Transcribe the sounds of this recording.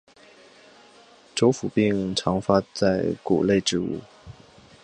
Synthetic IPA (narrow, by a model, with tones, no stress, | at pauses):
ʈ͡ʂo˧˥ʊfu˨˩pi˥˩ŋʈ͡ʂʰɑ˧˥ŋfa˥t͡sa˥˩ɪkṵ˨˩le˥˧ɪʈ͡ʂɻ̩˥˧ṵ˥˩